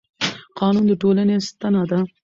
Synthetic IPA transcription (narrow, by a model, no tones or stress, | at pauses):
qʰɑːnund̪əʈolanest̪anɑd̪a